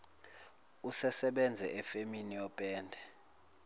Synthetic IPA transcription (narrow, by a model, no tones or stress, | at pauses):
usɛsɛɓɛnd͡zʱɛɛfeminijɔpʼɛːndʱɛ